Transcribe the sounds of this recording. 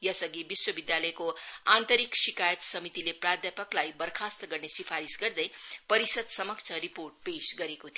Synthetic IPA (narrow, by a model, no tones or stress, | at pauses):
jʌsʌɡibiswʌbid̪jalʌekoant̪ʌɾiksikajʌt̪sʌmit̪ileprad̪japʌklajbʌrkʰast̪ʌɡʌrnesipʰaɾisɡʌrd̪ʌjpʌɾisʌd̪sʌmʌkt͡sʰʌɾiporʈ̚pesɡʌɾekot̪ʰi